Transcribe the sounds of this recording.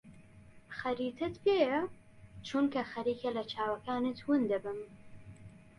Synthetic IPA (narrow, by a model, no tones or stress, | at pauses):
xɐɾiːt̪ʰɨt̪pʰeːjɐ | t͡ʃʰunkɐxɐɾiːkʰɐlɐt͡ʃʰaːwɐkaːnet̪ʰwɨnd̪ɐbɨm